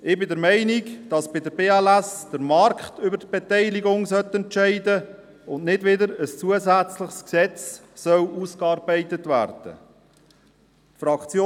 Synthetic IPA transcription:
ɪbɪdəɾmɛɪnikd̥ɑsb̥ɪdəɾbeːɛlæsd̥əɾmɑrkχtʰʏbəɾtb̥ɛtɛɪliɡʊŋsœt̪ːɛntt͡ʃɛɪdə | ʊndnɪdʋɪdəɾəst͡suəzæt͡slɪχsksɛt͡s | sœluːskɑːɾbɛɪtətvæ̰ːrd̥ə̰ | tfɾɑkt͡sjoː

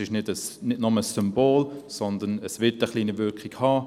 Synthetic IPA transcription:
ɪʃnɪdəsnɪdnʊməsːʏmboːlsɔndənəsʋɪtəχliːnivʏkχiɡhɑː

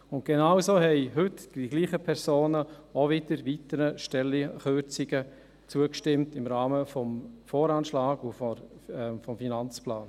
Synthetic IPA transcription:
ʊnt̚ɡ̥enawsoːhɛɪɦʏtd̥iɡ̥liːχəpʰɛɾsoːnəoʋɪdəɾʋitəɾəʃtɛlːiχøɾt͡sɪɡə | t͡suəkʃtɪmtɪmɾaːməfɔmfoːɾaːnʃlaːɡufɔɛfɔmfinant͡splaːn

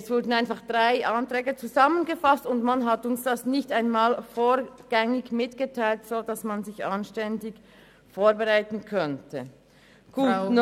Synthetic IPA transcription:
ɛsv̥ʊɐdn̩aɪnfaχd̥ʁaɪʔantʁ̥ɛːɡət͡suzamənɡəfastʊndmanɦatʊnsd̥asnɪçtaɪnmaːlfoːɾɡ̥ɛŋɪɡmɪtɡ̥ətʰaɪltsoːdasmanzɪçanʃtɛndɪɡ | foːɐbəʁaɪtn̩kʰœntʰə | ɡ̥uːn

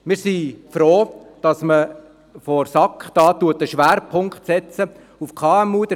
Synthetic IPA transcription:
mɪːɾsifɾoːd̥ɑsmə | fɔɾsɑkχd̥ɑːtuətːəʃʋæːɾpʰʊŋkχtsɛt͡sə | ufkʰɑːɛmuːd̥̪

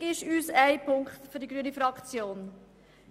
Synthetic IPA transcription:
ɪʃyːsæɪpʰʊŋkχt̪fʏɾdiɡɾyənifɾɑkt͡sjoːn

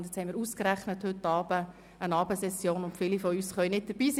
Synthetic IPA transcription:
nt̪djɛt͡shɛɪmɪːɾuːskəɾæχnəthʏtːɑːb̥ə | ənɑːbəsɛsjoːnʊntfɪlifɔyːsχœʏnɪt̚d̥əɾb̥iːs

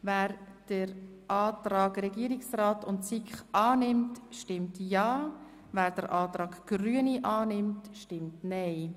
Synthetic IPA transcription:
væːɾd̥əɾ | ʔɑːtɾɑːɡɾɛɡiəɾɪksraːtʊntsikχʔɑːnɪmtʃtɪmtjɑː | væːɾd̥əɾʔɑːtɾɑːɡɡ̥ryəniʔɑːnɪmtʃtɪmtnɛɪ

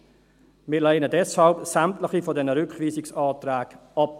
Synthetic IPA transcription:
mɪːlɛɪnədɛshɑlpsamtlɪχifɔdɛnəɾʏkχviːsɪksɑːt̪ɾæːɡ | ɑp̚

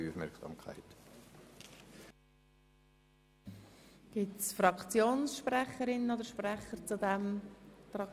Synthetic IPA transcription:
ufmɛ̰ɾksɑ̰ːmkʰa̰ɪt | ɡ̥ɪtsfrɑkt͡sjoːnsʃprɛχəɾɪnənodəɾʃprɛχəɾt͡sudɛmtrɑ

